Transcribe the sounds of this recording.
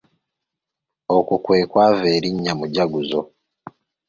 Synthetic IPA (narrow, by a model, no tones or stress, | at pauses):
okukwe̞ːkwaːveːɾiɲːamuɟaɡuzo